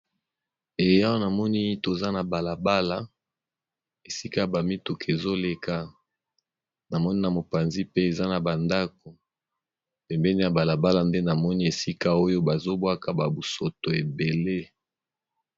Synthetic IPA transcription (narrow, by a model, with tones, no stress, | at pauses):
e˨ja˦wo˦na˨mɔ˦ni˦to˨za˦na˨ba˨la˨ba˦la˨ | e˨si˦ka˦ja˨ba˨mi˦tu˨kʰe˨zo˦le˨ka˦ | na˨mɔ˦ni˦na˨mo˨pa˨nzi˦pe˦e˨za˦na˨ba˨nda˦k̚o˨ | pɛ˨mbɛ˦ni˦ja˨ba˨la˨ba˦la˨nde˦na˨mɔ˦ni˦e˨si˦ka˦o˦jo˦ba˨zo˦bwa˦ka˨ba˨bu˨so˨to˨e˨be˨le˦